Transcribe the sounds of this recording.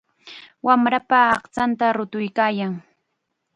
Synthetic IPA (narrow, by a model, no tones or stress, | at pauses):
wamɾapaːχt͡sant̪aɾʊt̪ʊjkaːjaŋ